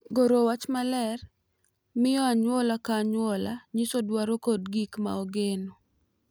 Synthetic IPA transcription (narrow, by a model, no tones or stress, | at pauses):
ɡoɾowat͡ʃmalɛr | mɪjɔaɲwɔlakaːɲwɔlaɲisodwaɾokodɡikma̰oɡeno